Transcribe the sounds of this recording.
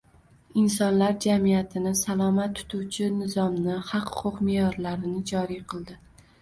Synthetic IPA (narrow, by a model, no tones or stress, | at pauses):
ɪnsɒnlaɾd͡ʒamijat̪ʰɪnɪsalˠɒmat̪ʰːʊ̥t̪ʰuwt͡ʃʰɪnɪzɒmnɪhɑqhʊ̥qʰʊqmejɒɾlaɾɪnɪd͡ʒɒɾijqʰɨlˠd̪ɪ